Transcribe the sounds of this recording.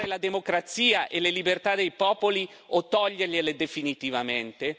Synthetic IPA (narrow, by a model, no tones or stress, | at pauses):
ɾelad̪emokɾat̪siːaʔelelibert̪ad̪ejpɔːpoli | ot̪ːɔʎːerʎeled̪efinit̪ivament̪e